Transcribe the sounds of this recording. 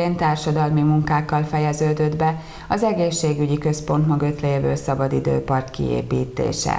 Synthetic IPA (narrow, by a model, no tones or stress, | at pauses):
eːnt̪aːrʃɒd̪ɒlmimuŋkaːkːɒlfɛjɛzøːd̪ød̪bɛ | ɒzɛɡeːʃːeːɡyɟikø̞spo̞nt̪mɒɡøt̪lɛeːbøːlsɒbɒd̪id̪ø̰ːpɒrkkḭḛːpiːt̪ḛːʃɛ̰